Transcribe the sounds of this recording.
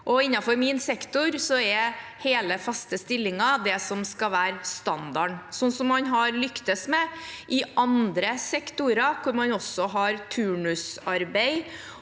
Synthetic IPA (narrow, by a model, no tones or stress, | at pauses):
ʔɔɪnːɑfɔɾmɪnsɛkt̪ʊɾsɔɛheːləfɑst̪əst̪ɪlːɪŋɑd̪ɛsɔmskɑʋæːɾst̪ɑnd̪ɑɳsɔnːsɔmːɑnɦɑɾlʏkt̪əsmɛʔɪʔɑnd̪ɾəsɛkt̪ʊɾɑkʰʊɾmɑnɔsːɔɦɑɾt̪ʰʉːɳʉsɑɾbeɪ